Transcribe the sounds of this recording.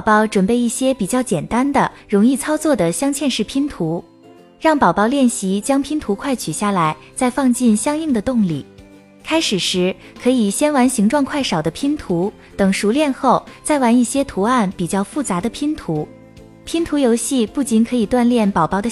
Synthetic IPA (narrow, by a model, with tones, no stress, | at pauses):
ʊpɑ˥˩ʊʈ͡ʂwə˨˩npe˥˧ɪi˥˩ɕjɛ˥pi˨˩t͡ɕjɑ˥˩ʊt͡ɕjɛ˨˩nt̪a˥nd̪ə˨ɻʊ˧˥ŋi˥˩t͡sʰɑ˥ʊt͡swɔ˥˩d̪ə˩ɕjɑ˥ŋt͡ɕʰjɛ˥˧nʂɻ̩˥˩pʰi˥nt̪ʰu˧˥ | ɻɑ˥˩ŋpɑ˨˩ʊpɑ˥˧ʊljɛ˥˩nɕi˧˥t͡ɕjɑ˥ŋpʰi˥nt̪ʰu˧˥kʰwa˥˩ɪt͡ɕʰy˨˩ɕja˥˩la˧˥ɪ | t͡sa˥˧ɪfɑ˥˧ŋt͡ɕi˥˩nɕjɑ˥ŋi˥˩ŋd̪ə˩t̪ʊ˥˩ŋli˥˩ | kʰa˥ɪʂɻ̩˨˩ʂɻ̩˧˥ | kʰɤ˧˥i˨˩ɕjɛ˥nwa˧˥nɕi˧˥ŋʈ͡ʂwɑ˥˧ŋkʰwa˥˩ɪʂɑ˨˩ʊd̪ə˦pʰi˥nt̪ʰu˧˥ | t̪ɤ˨˩ŋʂu˧˥ljɛ˥˧nxo˥˩ʊt͡sa˥˩ɪwa˧˥ni˥˩ɕjɛ˥t̪ʰu˧˥a˥˩npi˨˩t͡ɕjɑ˥˧ʊfu˥˩t͡sa˧˥d̪ə˧pʰi˥nt̪ʰu˧˥ | pʰi˥nt̪ʰu˧˥jo˧˥ʊɕi˥˧pu˥˩t͡ɕi˧˥nkʰɤ˧˥i˨˩t̪wa˥˧nljɛ˥˩npɑ˨˩ʊpɑ˥˩ʊd̪ə˧